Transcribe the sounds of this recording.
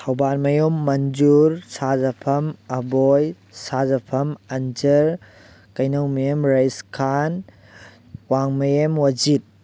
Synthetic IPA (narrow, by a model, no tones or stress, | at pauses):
tʰɐwbaɾmɐjomːɐnd͡ʒuɾsazɐpʰɐmɐboj | sazɐpʰɐmɐnd͡ʒɐɾ | kɐjnɐwmɐjemɾajskʰan | waŋmɐjemwɐd͡ʒit̚